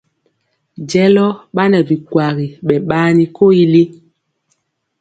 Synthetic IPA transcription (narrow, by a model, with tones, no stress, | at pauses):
d͡ʒɛ˦lɔ˦ɓa˦nɛ˨vi˨kwa˨ɣi˨ɓɛ˨ɓaː˦ni˦ko˦i˦li˦